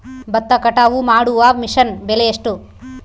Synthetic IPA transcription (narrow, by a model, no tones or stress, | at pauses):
bɐt̪ːɐkɐʈaːʋumaːɽuʋaːmiʂɐnbelejeʂʈu